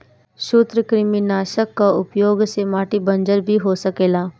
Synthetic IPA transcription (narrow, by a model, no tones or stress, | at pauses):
ʃʊt̪ɾəkɾɪminaːʃəkːaʊpjoːɡsemaːʈibə̃nd͡ʒəɾbʱiɦosəkeːlaː